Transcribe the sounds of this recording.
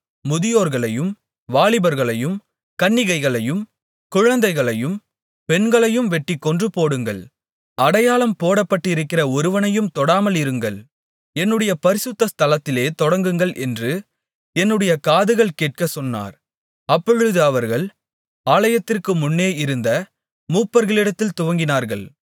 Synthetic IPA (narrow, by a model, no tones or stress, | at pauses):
mʊðɪjoːɾɣɐɭɐjɯm | ʋaːɭɪbɐɾɣɐɭɐjɯm | kɐɳːɪɣɐɪɣɐɭɐjɯm | kʊɻɐnd̪ɐɪɣɐɭɐjɯm | pɛɳɡɐɭɐjɯmʋɛʈːɪkːɔndrɯpoːɽɯŋɡɐ̰ɭ | ʔɐɽɐjaːlɐmpoːɽɐpːɐʈːɪɾɯkːɪrɐɔɾɯʋɐnɐjɯmt̪ɔɽaːmɐlɪɾɯŋɡɐɭ | ɛnːɯɽɐjɐpɐɾɪsɯt̪ːɐst̪ɐlɐt̪ːɪleːt̪ɔɽɐŋɡɯŋɡɐɭʔɛ̰ndrɯ | ɛnːɯɽɐjɐkaːðɯɣɐɭkeːʈ̚kɐsɔnːa̰ːɾ | ɐpːɔɻɯðɯɐʋɐɾɣɐɭ | aːlɐjɐt̪ːɪrkɯmʊnːeːɪɾɯnd̪ɐ | muːpːɐɾɣɐɭɪɽɐt̪ːɪlt̪ʊʋɐŋɡɪnaːɾɣɐɭ